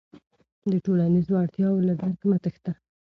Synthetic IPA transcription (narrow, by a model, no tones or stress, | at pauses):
d̪əʈolanizoaɽt̪jɑwoladaɾkmat̪əxt̪a